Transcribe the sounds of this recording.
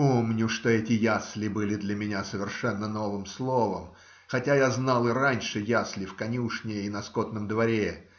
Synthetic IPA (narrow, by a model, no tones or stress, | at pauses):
omnʲʊʂt̪o̞ɛtʲɪjaslʲɪbɨlʲɪd̪lʲɐmʲɪnʲasəvʲɪrʂɛnːəno̞vɨmslˠo̞vəm | xɐtʲajaznɑlˠɨranʲʂɨjaslʲɪfkɐnʲuʂnʲɪjəinɐskot̪nəmd̪vɐɾʲe